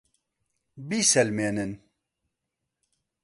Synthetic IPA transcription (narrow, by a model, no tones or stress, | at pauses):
biːsɛlmeːnɨn